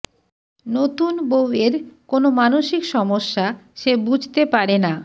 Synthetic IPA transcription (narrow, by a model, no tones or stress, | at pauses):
not̪unboweɾkonomanoʃikʃɔmoʃːaʃebud͡ʑʱt̪epaɾena